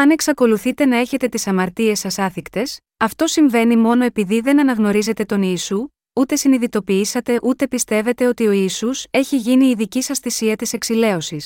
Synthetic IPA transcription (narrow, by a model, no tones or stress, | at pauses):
ɐne̞ksɐko̞luθit̪e̞nɐe̞çe̞t̪e̞t̪isɐmɐɾt̪ie̞sɐsɐθikt̪e̞s | ɐft̪o̞siɱve̞nimo̞no̞e̞piðiðe̞nɐnɐɣno̞ɾize̞t̪e̞t̪o̞niːsu | ut̪e̞siniðit̪o̞piisɐt̪e̞ʔut̪e̞pist̪e̞ve̞t̪e̞o̞t̪io̞iːsuse̞çiʝiniːðicisɐst̪isiɐt̪ise̞ksile̞o̞sis